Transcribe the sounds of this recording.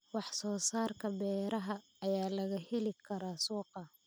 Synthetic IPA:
wɑħsɔːsaːrkʰɐbɛːɾɐɦɐː | jaːlɐɣɐhɛlɪkʰɐɾaːsuːqɑ

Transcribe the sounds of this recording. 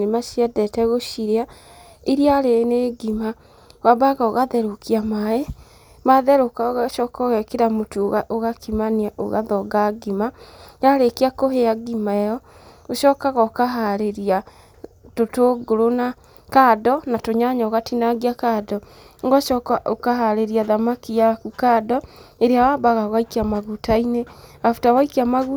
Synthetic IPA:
nemaʃiɛdɛtɛɣoʃiɾea | iɾiaɾeneɡima | wabaɣaoɣaðɛɾokiamaɛ | maðɛɾokaɣaʃɔkɔɣɛkeɾamotuoɣaʔoɣakimaniaʔo̰ɣa̰ðɔɡaɡimajaɾekeakoɦeaɡimaɛjɔ | oʃɔːkaɣaokaɦaɾeɾia | totoɡoɾona | kaːdɔnatoɲaɲaoɣatinaɡiakadɔ | ŋɡɔʃɔkaokaɦaɾeɾiaðamakijakukadɔeɾeawaːbaɣaɣaikeamaɣutaineafutawaikeamaɣu

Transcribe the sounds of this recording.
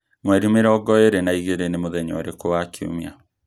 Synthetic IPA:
mwɛɾimeɾɔɡɔeɾenaiɣeɾenemoðɛɲɔ̰ɾekowakʰio̰mia

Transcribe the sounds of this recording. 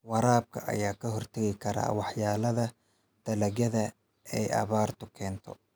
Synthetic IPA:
wɑɾaːb̚kʰɐ̰ʔɐ̰jaːkʰɐɦɔrt̪ʰɐɣɪkʰɐɾa̰ːwɑħjaːlɐðɐ | d̪̥ɐlɐɣɐðɐ | ɛjɐ̰βaːrt̪ʰʊkʰɛːnt̪ʰɔ̰

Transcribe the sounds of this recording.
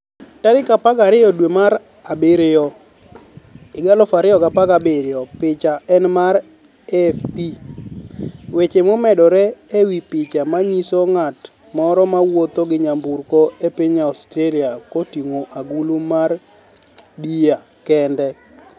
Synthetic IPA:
taɾɪkapakaɾɪjɔdwemaɾ | abɪɾɪjɔ | ɪɡalɔfaɾɪjɔkapakabɪɾɪɔpɪt͡ʃaɛnmaɾ | ɛfpi | wet͡ʃemomɛdɔɾɛewipɪt͡ʃamaɲisoŋat | mɔɾɔmawot̪oɡɪɲamburkɔepiɲaɔstɾeliakotiŋoʔaɡulumar | bija | kɛndɛ

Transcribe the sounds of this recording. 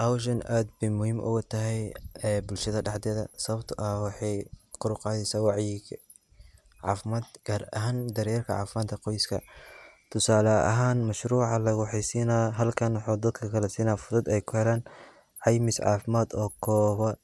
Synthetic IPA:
ʔɐwʃ̬ɐnaːd̪̚bɛmʊhiːmʔʊ̰ɣɐt̪ʰɐɦɛjɛbʊlʃɐðɐɖɛħd̪ɛːðɐ̰sɐβɐbt̪ʰʊʔɐwɑħɑjqʊɾʊqɑːðɛsaːwɑʕjɪɡ | ʕɑ̰ːfɪmaːd̪ɡ̥aːɾɐ̰ɦaːnd̪ɐɾjɛrkʰɐʕɑ̰ːfɪmaːd̪kʰɐqɔjɪskʰɐ̰t̪ʰʊsaːlɐɐ̰ɦaːnmɐʃɾuːʕɑlɐɣʊħɛjsiːnaːɦɐlkʰɐnwħuːd̪ɐd̪kʰɐkʰɐlɛsiːnaːfʊðʊd̪ɛjkʰʊhɛlaːn | ʕɑjmɪsʕɑ̰ːfɪmaːd̪ɔːkʰɔːβɐ

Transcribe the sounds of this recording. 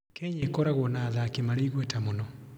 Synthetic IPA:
kɛɲekɔɾaɣwɔnaðaːkemaɾeiɣwɛtamonɔ

